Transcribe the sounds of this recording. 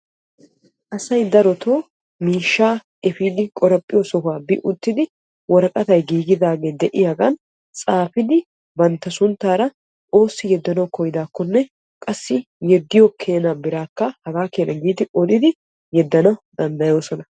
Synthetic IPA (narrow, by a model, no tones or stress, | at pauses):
ʔɐsɐjd̪ɐɾɔt̪ʰoː | miːʃːaː | ɛfiːd̪ɪkʼɔɾɐpʼːɪjɔsɔfaːbɪʔʊt̪ːɪd̪ɪ | wɔɾkʼɐt̪ɐjɡiːɡɪd̪aːɡeːd̪ɛʔɪjaːɡɐn | t͡sʼaːfɪd̪ɪ | bɐnt̪ːɐsʊnt̪ːaːɾɐ | ʔo̞ːsːɪjɛd̪ːɐnɐwkɔjɪd̪aːkːɔnːɛ | kʼɐsːɪ | jɛd̪ːɪjɔkʰe̞ːnabɪɾaːkːɐhɐɡaːkeːnʔɐɡiːd̪ɪʔɔd̪ɪd̪ɪ | jɛd̪ːɐnɐwd̪ɐnd̪ɐjo̞ːsɔnɐ